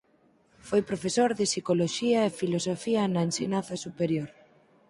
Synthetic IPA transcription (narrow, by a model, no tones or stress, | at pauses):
fojpɾofesoɾðɪsikoloʃiɐefilosofiɐnɐensenãnθɐsupeɾjoɾ